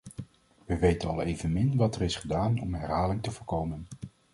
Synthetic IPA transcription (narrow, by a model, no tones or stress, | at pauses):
ʋəʋejtənɑlˠejvənmɪnʋɑtɛrɪsχədaːnɔ̰mɦɛɹɦaːlɪŋtəvʊːɹkowmən